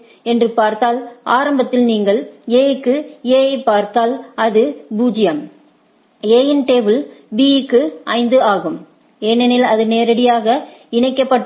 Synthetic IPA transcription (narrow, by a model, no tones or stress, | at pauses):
ɛndrɯpaːɾt̪aːlʔaːɾɐmbɐt̪ːɪlniːŋɡɐɭeːjɪkːɯeːjɐɪpːaːɾt̪aːlɐðɯbuːd͡ʒɪjɐm | eːjɛnʈeːʋɪlbikːɯʔɐɪnd̪ɯaːɣɯm | eːnɛnɪlɐðɯneːɾɐɽɪjaːɣɐɪɳɐɪkːɐpːɐʈː